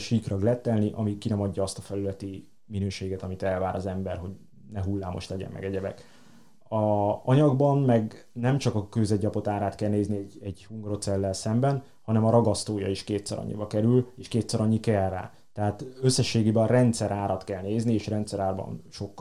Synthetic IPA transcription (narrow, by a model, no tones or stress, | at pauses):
ʃikrɒɡlɛt̪ːɛlniʔɒmikinɛmɒɟːɒɒst̪ɒfɛlylɛt̪i | minøːʃeːɡɛt̪ɒmit̪ɛlvaːɾʔɒzɛmbɛrɦo̞ɟ | nɛɦulːaːmo̞̰ʃlɛɟɛ̰mːɛ̰ɡɛɟɛbɛ̰k | ɒɒɲɒɡbɒnmɛɡ | nɛmt͡ʃɒkɒkøzɛɟːɒpo̞t̪aːɾaːt̪kɛlneːzniɛɟɛɟhuŋɡro̞t̪sɛlːɛlsɛmbɛn | hɒnɛmɒɾɒɡɒst̪oːjɒ̰iʃkeːt̪sɛ̰ɾɒ̰ɲːḭbɒkɛɾyleːʃkeːt̪sɛɾɒɲːikɛrːa̰ː | t̪ɛɦaːt̪øsːɛʃːeːɡeːbɛrɛnt̪sɛɾʔaːɾɒt̪kɛlneːznieːʃɾɛnt̪sɛɾaːrbɒ̰nʃo̞kː